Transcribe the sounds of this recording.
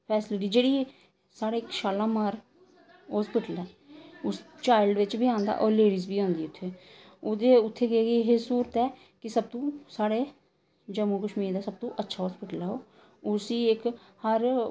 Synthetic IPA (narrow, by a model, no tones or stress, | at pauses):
pʰɛːsɪlɪʈ̬iːd͡ʒeːɽiː | saːɽeːɪkʃaːlãːmaːɾ | ɦɔːspɪʈəlɛː | ʊst͡ʃaːɪlɖʋɪt͡ʃbiːãːnd̪a̰ːʔɔːɾleːɽiːzbiːãːnd̪iːʊt̪ʰːeː | ʊd̪eːʊt̪ʰːeːɡeɡiːɦesuːɾət̪ɛː | kɪsəb̚t̪õːsaːɽeː | d͡ʒəmũːkəʃmĩːd̪aːsəb̚t̪õːʔətːʃʰaːɦɔːspɪʈəlɛːɦoː | ʊsiːɪkhəɾ